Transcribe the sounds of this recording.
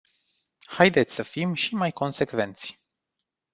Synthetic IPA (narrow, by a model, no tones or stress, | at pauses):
hajd̪e̞t̪sʲsəfimʃimajko̞nse̞kve̞nt̪sʲ